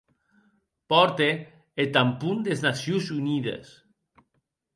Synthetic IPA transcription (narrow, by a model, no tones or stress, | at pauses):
pɔɾt̪eː | t̪ampund̪eznasjuzuniðḛs